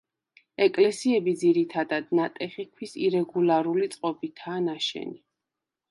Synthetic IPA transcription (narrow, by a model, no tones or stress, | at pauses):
ɛkʼlɛsiɛbid̪ziɾit̪ʰad̪ad̪nat̪ʼɛχikʰwisiɾɛɡulaɾulit̪sʼqʼɔbit̪ʰaːnaʃɛ̰ni